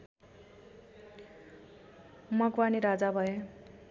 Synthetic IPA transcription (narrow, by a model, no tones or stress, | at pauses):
mʌkwaniɾad͡zabʱʌe